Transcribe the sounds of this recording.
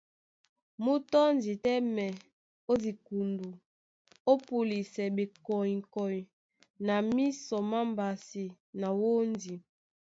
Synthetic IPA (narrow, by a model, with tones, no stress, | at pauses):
mu˦tɔ˦ndi˨tɛ˦mɛ˨ | o˦zi˨ku˨ndu˨ | o˦pu˨li˨sɛ˨be˨kɔ˨i˨ŋ˨kɔ˨i˨ | na˨mi˦sɔ˨ma˦mba˨si˨ | na˨wo˦ndi˨